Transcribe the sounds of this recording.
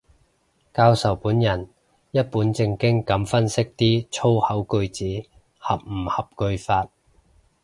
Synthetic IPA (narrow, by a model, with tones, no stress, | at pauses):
kaː˧wsɐ˨˩wpuː˨˥njɐ˨˩n | jɐ˥t̚puː˨˥nt͡sɪ˧ŋkɪ˥ŋkɐ˨˥mfɐ˥nsɪ˥k̚t̪iː˥t͡sʰo˥whɐ˨˥wkɵ˧ɥt͡siː˨˥ | hɐ˨p̚m̩˨˩hɐ˨p̚kɵ˧ɥfaː˧t̚